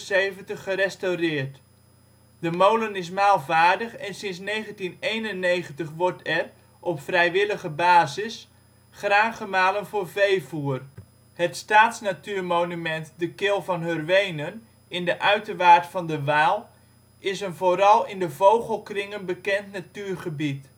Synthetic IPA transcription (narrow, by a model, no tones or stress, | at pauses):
sejvəntəχːəɾɛstawrɪːrt | dəmowlənɪs̬maːlˠvaːrdəχɛnsɪnsnejχəntinejnənːejχəntəχʋɔrtʰɛr | ʔɔpfrɛjʋɪləχəbaːzɪs | χraːχəmaːlənvoːrvejvuər | hətstaːtsnatyːrmownymɛntdəkɪlˠvɑnɦørʋejnən | ɪndəʔœɥtəʋaːɹtfɑndəʋaːlˠ | ɪsənvoːɾɑlˠɪndəvowχəlˠkrɪŋənbəkɛntnatyːrχəbit